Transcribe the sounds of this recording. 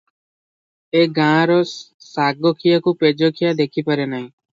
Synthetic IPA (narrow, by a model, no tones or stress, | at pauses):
eɡãɾɔ | saɡokʰijakuped͡ʒokʰijad̪ekʰipəɾenaɦĩ